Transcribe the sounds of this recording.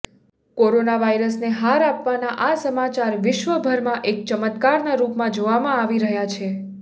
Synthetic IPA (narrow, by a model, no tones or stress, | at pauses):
koɾonaʋajɾəsneɦaɾapʋanaʔasəmat͡ʃaɾʋɪʃʋəbʱəɾmãʔek̚t͡ʃəmət̪kaɾnaɾupmãd͡ʒoʋamãaʋiɾəɦjat͡ʃʰe